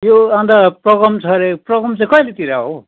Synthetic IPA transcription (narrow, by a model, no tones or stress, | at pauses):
joãnd̪aprʌɡʌmt͡sʰʌɾeprʌɡʌmt͡saĩkʌjlet̪iɾaɦo